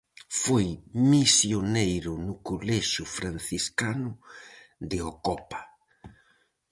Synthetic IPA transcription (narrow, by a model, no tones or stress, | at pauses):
fojmisjonejɾʊnʊkolɛʃʊfɾan̟θiskanʊ | ðɪokɔpḁ